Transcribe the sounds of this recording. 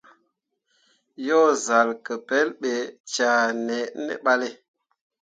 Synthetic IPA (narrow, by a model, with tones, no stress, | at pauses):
jɔ˦˨za˨lkə˨pɛ˦lɓe˨t͡ʃa˨nɛ˨ʔnḛ˦ɓa˦le˦